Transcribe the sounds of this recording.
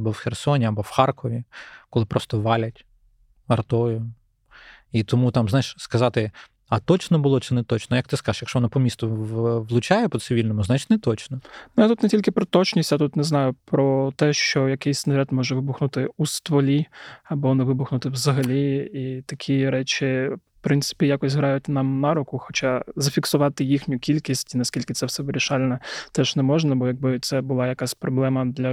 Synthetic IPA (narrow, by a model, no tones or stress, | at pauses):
ɐbɔwxʲersɔnʲiɐbɔwxɑrkɔʋʲikɔlˠɪpɾɔst̪ɔʋɑlʲɐtʲ | ɐrt̪ɔjʊ | it̪ɔmut̪ɑmzɑjɪʃskɐzɑt̪ɪ | ɐt̪ɔt͡ʃnɔbʊlˠɔt͡ʃɪnɛt̪ɔt͡ʃnɔjɐk̚t̪ɪskɑzʃjɐkʃɔʋɔnɔpɔmʲist̪ʊʋlˠʊt͡ʃɑjɛpɔt̪sɪʋʲilʲnɔmʊznat͡ʃt̪ʲnɛt̪ɔt͡ʃnɔnʊjat̪ut̪netʲilʲkɪpɾɔt̪ɔt͡ʃnʲisʲtʲjat̪ut̪nɛznɑjʊpɾɔt̪ɛʃt͡ʃɔjɐkɪjsʲsnɐɾʲɛt̪mɔʒɛʋɪbʊxnʊt̪ɪust̪ʋɔlʲiɐbɔnɛʋɪbʊxnʊt̪ɪwzɐɦɐlʲiit̪ɐkʲʰiɾɛt͡ʃʲifpɾɪnsɪ̥pʲijakɔsʲɦɾɑjʊtʲnɑmnɑɾʊkʊxɔt͡ʃɑzɐfʲiksʊʋɑt̪ɪjixnʲʊkʲilʲkʲisʲtʲinɐsʲkʲilʲkɪt̪sɛwsɛʋɪɾʲiʃɑlʲnɛt̪ɛʒ̥nɛmɔʒnɐbɔjɐɡ̚bɪt̪sɛbʊlˠɑjɐkasʲpɾɔblˠɛmɐd̪lʲɐ